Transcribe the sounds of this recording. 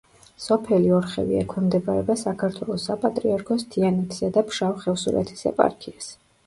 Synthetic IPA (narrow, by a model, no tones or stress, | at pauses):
sɔpʰɛliɔɾχɛ̰vḭɛkʰwɛmd̪ɛbaɾɛbasakʰaɾt̪ʰwɛlˠɔsːapʼat̪ʼɾiaɾkʰɔst̪ʰianɛt̪ʰi̥sad̪apʃawχɛvsuɾɛ̰t̪ʰi̥sɛ̰pʼa̰ɾkʰias